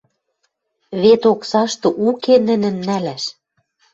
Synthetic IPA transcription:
βet̪oksɑʃt̪ɤ̆ʔukenə̆nɘ̆nːælæʃ

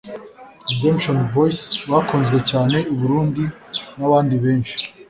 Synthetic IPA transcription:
demʃonvojsβakoːnzɡwecaːne̞uβuɾuːndinaβaːndiβe̞ːnʃi̥

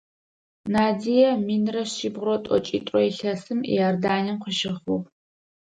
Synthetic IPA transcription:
naːdijɐmiːnrɐɕiːbʁrɔtʼɔ̰t͡ʃʼḭːtʷʼrɔiɬɐsɨmḭjɐrdaːnɐmqəʃɪχʷu

